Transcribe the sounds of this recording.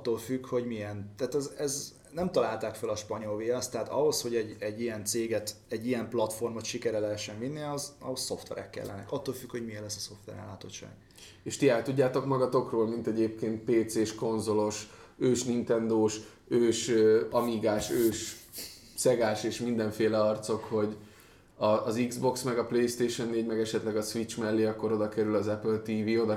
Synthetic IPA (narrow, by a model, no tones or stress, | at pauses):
ɒt̪ːoːlfykho̞ɟmiɛnt̪aːt̪ɛzɛz | nɛmt̪ɒlaːlt̪aːkfølɒʃpɒɲo̞lveɛst̪ːɛɦaːt̪ɒ̰ɦo̞sho̞ɟɛɟɛɟːijɛnt̪seːɡɛt̪ | ɛɟːijɛmplɒt̪fo̞rmot̪ʃikɛɾɛlɛɦɛʃːɛɱvinːiɒzɒ̰ɦosːo̞ft̪ʋɛ̰ɾɛ̰kːɛ̰lːɛ̰nɛ̰kɒt̪ːoːlfykho̞ɟmijɛnlɛsːɒso̞ft̪ʋɛ̰ɾɛ̰lːaːt̪o̞t̪ʃːa̰ːɡ̥ | eːʃt̪iɛlt̪uɟːaːt̪o̞kmɒɡɒt̪o̞kroːlmint̪ɛɟeːp̚keːnt̪̚peːt̪seːʃko̞nzo̞lo̞ʃøːʃnint̪ɛnd̪oːʃ | øːʃøɒmiːɡaːʃøːʃ | sɛɡaːʃeːʃmind̪ɛɱfeːlɛɒrt̪so̞kho̞ɟ | ɒːziɡzbo̞ksmɛɡɒplejst̪eːʃo̞nːeːɟmɛɡɛʃɛt̪lɛɡɒsʋit͡ʃmɛlːiɒkːo̞ɾo̞d̪ɒkɛɾylɒzɛpølt̪iːviːo̞d̪ɒ